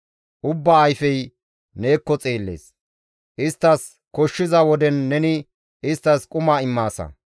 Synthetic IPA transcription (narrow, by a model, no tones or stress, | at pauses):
ʔʊbːaːjfɛj | ne̞ːkːɔt͡sʼeːlːḛːs | ʔɪst̪ːɐs | kɔʃːɪzɐwɔd̪ɛnːɛnɪ | ɪst̪ːɐskʼʊmaɪmːaːsɐ̰